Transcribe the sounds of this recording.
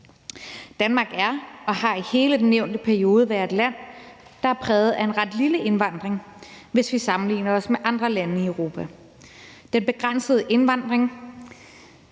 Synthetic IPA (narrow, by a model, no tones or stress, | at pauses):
d̥ænmɑ̈ːɡ̥æɐɒ̽hɑ̈ihe̝ːləd̥enːeʊ̰nd̥əpʰæɐio̝ːð̞ˠəʋæɐe̝d̥læn̰ | d̥ɑ̈æɐpʰʁɛːð̞̩ˠæe̝nʁɑd̥liləʔe̝nʋɑ̈n̰d̥ʁeŋ | ʋe̝sʋisɑ̈mn̩lḭːnɐɒ̽smeʔɑ̈nd̥ʁɐlænəiøʊʁo̝ːpʰæ | d̥enb̥e̝ɡ̥ʁan̰səð̞ˠʔe̝nʋɑ̈n̰d̥ʁeŋ